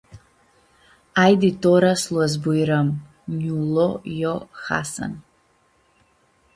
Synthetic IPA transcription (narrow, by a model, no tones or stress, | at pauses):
ajd̪it̪ɔɾaslˠuazbujɾam | ɲulˠɔjɔxa̰sa̰n